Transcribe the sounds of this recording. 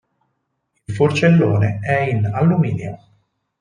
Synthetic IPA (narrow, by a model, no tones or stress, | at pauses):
ilfort͡ʃelːoːneɛinalːumiːnjo